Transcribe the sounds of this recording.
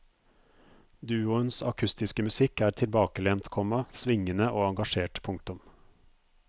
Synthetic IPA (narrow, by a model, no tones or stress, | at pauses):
d̪ʉːʊənsɑ̰kʰʉst̪ɪskəmʉsɪkæːɾt̪ʰɪlbɑːkəlɛnt̪kʰɔmɑsʋɪŋənəʔoːɑŋɡɑʃeːʈpʰʊŋk̚t̪ʊm